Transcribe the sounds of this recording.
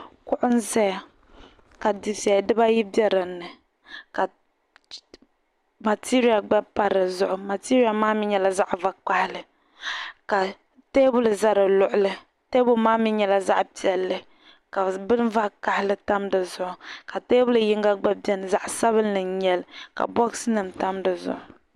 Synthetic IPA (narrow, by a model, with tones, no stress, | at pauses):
kʊ˦ʔʊ˦n˦zɛ˦ja˨ | ka˨di˨fi˨ɛ˨dɨ˦ba˦ji˦bɛ˦ɾɨ˨nːɨ˨ | ka˨ | ma˨tʰi˦ɾi˦ja˨ɡ͡bɛ˦pa˦ɾɨ˨zʊ˦ʔʊ˨ma˨ti˦ɾi˦ja˨maː˦mɪ˦ɲɛ˨la˦za˦ʔva˦k͡pa˦hɪ˦lɨ˨ | ka˨ | teː˦bʊ˦lɨ˨za˦ɾɨ˨lʊ˦ʔʊ˨lɨ˦ | teː˦bʊ˦lmaː˦mɪ˦ɲɛ˨la˦za˦ʔpi˨ɛ˨lːɨ˦ | ka˨bɨ˦n˦va˦ka˨hɪ˦lɨ˦ta˦mdɨ˨zʊ˨ʔʊ˨ka˨teː˦bʊ˦lɨ˨ji˦ŋ˦ɡa˦ɡ͡bɛ˦bɛ˦nɨ˨za˦ʔsa˦βɨ˦nːɨ˨ɲɛ˦lka̰˨bɔ˦ɡsɨ˦nɨ˨mta˦mdɨ˨zʊ̰˨ʔʊ˨